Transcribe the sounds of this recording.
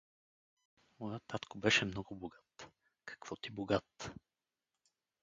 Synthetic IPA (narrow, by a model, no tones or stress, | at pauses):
mɔjat̪ːat̪kobɛʃɛmnɔɡʊboɡat̪ | kɐ̥kv̥ɔt̪iboɡat̪